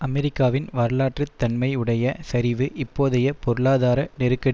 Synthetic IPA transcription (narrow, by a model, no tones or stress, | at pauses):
ɐmɛɾɪkːaːʋɪnʋaːɾlaːʈrɯt̪ːɐɳmɐɪɯɽɐjɐsɐɾɪʋɯʔɪpːoːðɐjɐpɔɾɯɭaːðaːɾɐnɛɾɯkːɐɽ